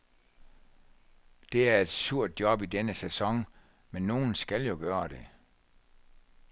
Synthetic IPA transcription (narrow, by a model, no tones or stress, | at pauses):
d̥e̝æɐe̝d̥suɐ̰d̥̚jɒ̽b̥idenəsesɒ̽ŋ | menːo̝ːn̩sɡ̥æljo̝ɡ̥ɶːɐd̥e̝